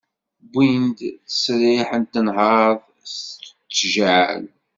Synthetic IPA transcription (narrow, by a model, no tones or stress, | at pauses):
bind̪θə̥sɾɪħənt̪ːənɦɑðˤ | st̪ət͡sːʒʕl